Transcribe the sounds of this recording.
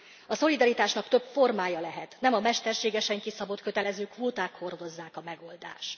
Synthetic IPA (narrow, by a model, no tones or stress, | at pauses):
ɒso̞lid̪ɒɾit̪aːʃnɒkt̪ø̞pfo̞rmaːjɒlɛɦɛt̪nɛmɒmɛʃt̪ɛrʃeːɡɛʃɛŋkisɒbo̞t̪køt̪ɛlɛzøːkʋoːt̪aːkho̞rd̪o̞zːaːkɒmɛɡo̞ld̪a̰ːʃ